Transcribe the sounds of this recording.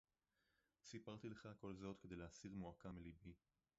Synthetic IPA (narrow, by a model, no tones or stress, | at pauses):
sipaʁt̪ileχako̞lzo̞t̪ked̪ejleasiʁmuakamelibi